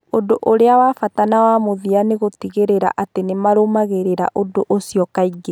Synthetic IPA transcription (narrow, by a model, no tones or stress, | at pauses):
odoʔoɾeawafatanawamoðianeɣotiɣeɾeɾa̰ʔatenemaɾomaɣeɾeɾa̰ʔodoʔosiɔkaiɡe